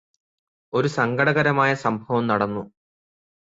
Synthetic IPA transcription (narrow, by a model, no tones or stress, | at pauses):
o̞ɾusɐŋɡɐɽɐɣɐɾɐmaːjɐsɐmbʱɐʋɐmnɐɽɐnːu